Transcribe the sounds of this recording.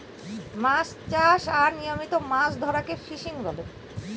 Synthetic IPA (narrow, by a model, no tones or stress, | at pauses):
mast͡ɕaʃaɾnijomit̪omasd̪ʱɔɾakefiʃiŋbɔle